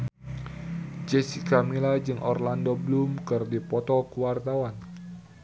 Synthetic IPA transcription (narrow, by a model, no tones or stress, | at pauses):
d͡ʒɛsikamilad͡ʒɨŋʔɔ̰rlandoblumkɨrdipɔt̪ɔkuwart̪awan